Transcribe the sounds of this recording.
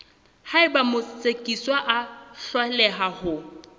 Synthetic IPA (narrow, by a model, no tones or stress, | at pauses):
haɪbamʊsʼekʼiswaʔaɬwalɛɦahʊ